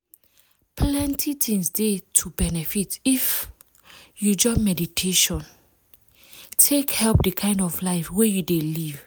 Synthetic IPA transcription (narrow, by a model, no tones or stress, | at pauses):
plɛ̃ntʰitʰĩŋsdetʰubɛnɛfitif | jud͡ʒɔmɛditʰeʃɔ̃n | tʰekhɛlp̚dəkʰãɪ̃ndɔflaɪfwɛjudeliv